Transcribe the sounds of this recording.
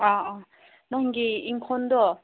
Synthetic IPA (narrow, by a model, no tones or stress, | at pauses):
a | nɔŋɡiiŋkʰɔnd̪ɔ